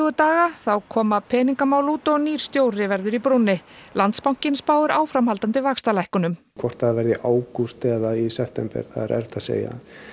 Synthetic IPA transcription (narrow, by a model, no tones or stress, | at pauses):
ɣʏt̪aːɣaθawkʰɔːmapʰɛːniŋkamaːwluːt̪ɔɣniːɾ̥st̪joːwrɪvɛɾðʏɾipɾʊnːɪlant̪spawŋ̥cɪnspaːwðʏɾaːwfɾamhalt̪ant̪ɪvaːkst̪alajhkʏnʏm | kʰvɔr̥t̪θaðɾvɛɾðɪʔaːwkust̪ɛðaisɛft̪ɛmpɛ̰ɾ̥θaðɾɛ̰ɾt̪asḛːja̰